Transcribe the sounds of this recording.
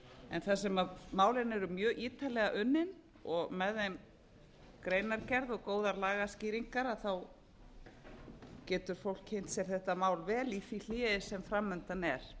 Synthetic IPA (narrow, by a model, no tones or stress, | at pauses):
ɛ̰nθas̬ɛmamaːwlɪnɛɾʏmjœːʔiːt̪ʰalɛɣaʔʏnːɪn | ɔɣmɛðen | kɾejnaɾcɛɾðɔɣkoːwðaɾlaːɣasciːɾiŋkaɾaθaw | cɛːt̪ʏɾ̥fowlchejn̥t̪sɛɾ̥θɛht̪amaːwlvɛːliθil̥ɪːðɪsɛmfɾamːʏnt̪anɛɾ̥